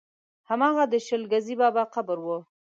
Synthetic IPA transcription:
hamɑɣad̪əʃəlɡazibɑbaqabəɾwə

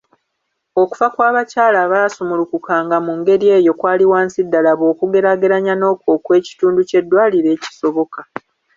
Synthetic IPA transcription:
o̞ku̥vakwaːβacaːlaːβaːsumulukukaːŋɡamuŋɡe̞ɾie̞ːjo̞kwaːliwaːnsidːalaβo̞ːkuɡe̞ɾaɡe̞ɾaɲano̞ːko̞ːkwe̞ːci̥tuːnduce̞dːwaːliɾe̞ːci̥so̞βo̞ka

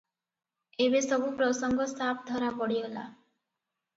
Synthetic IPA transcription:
ebesɔbupɾɔsɔŋɡɔst̪ap̚d̪ʱɔɾapɔɽiola̰

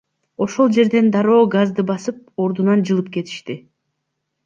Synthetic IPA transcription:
o̞ʃo̞lˠd͡ʒe̞ɾd̪e̞nd̪ɑɾo̞ːɡazd̪ɯbɑsɯp̚o̞ɾd̪unɑnd͡ʒɯlˠɯp̚ke̞t̪ʰi̥ʃt̪i

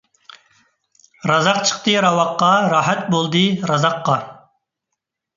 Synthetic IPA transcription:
ɾɑzɑqt͡ʃʰə̥qt̪ɨɾɑwɑqːɑɾɑːɦæt̪̚bolˠd̪ɨɾɑzɑqːɑ

